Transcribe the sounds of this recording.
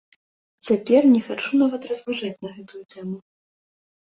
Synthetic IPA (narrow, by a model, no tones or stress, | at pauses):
t͡sʲapʲɛrnʲɛxat͡ʂunavɐt̪rɐzvaʐat͡sʲnɐɣɛt̪ujut̪ɛmu